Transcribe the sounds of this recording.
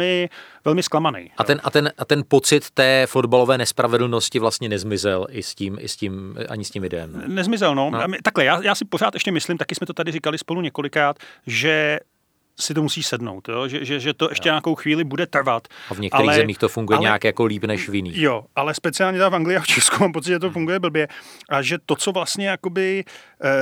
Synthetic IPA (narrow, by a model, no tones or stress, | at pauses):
ɪvɛlmɪsklamanɛ̰jʔat̪ɛnʔat̪ɛnʔat̪ɛnpo̞t͡sɪt̪ːɛːfo̞dbalo̞vɛːnɛspɾavɛdl̩no̞scɪvlast̪ɲɛnɛzmɪzɛlʔɪscimʔɪ̰scimʔa̰ɲɪscimvɪdɛɛ̰mnɛzmɪzɛlnot̪aklɛjaːjaːsɪpoɾ̝aːt̪ʔɛʃcɛmɪslɪmt̪akɪsmɛt̪o̞t̪adɪrɪkalɪspo̞luɲɛko̞lɪkɾaːt̪ʒɛ | sɪt̪̬o̞musiːsɛdno̰wt̪joʒɛʒɛʒɛt̪o̞ʔɛʃcɛɲako̞wxviːlɪbudɛt̪r̩vat̪avɲɛktʔaɛlɾiɛɣzɛmiːxt̪ofuŋɡujɛɲɛakjakoliːpnɛʃvjɪniːjoʔalɛspɛt͡sɪaːlɲɛt̪ɛafaŋɡlɪaft͡ʃʰɛskumaːmpo̞t͡sɪt̪ʒɛt̪̬ofuŋɡujɛbl̩bjɛʔaʒɛt̪o̞t͡so̞vlast̪ɲɛjako̞bɪ